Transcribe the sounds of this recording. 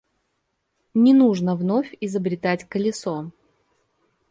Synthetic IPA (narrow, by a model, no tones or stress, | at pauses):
nʲɪnuʐnəvnofʲɪzəbɾʲɪt̪atʲkəlʲɪso